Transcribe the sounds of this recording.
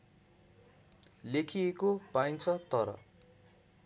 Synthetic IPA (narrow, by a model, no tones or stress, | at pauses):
lekʰiekopajnt͡sʰʌt̪ʌɾʌ̰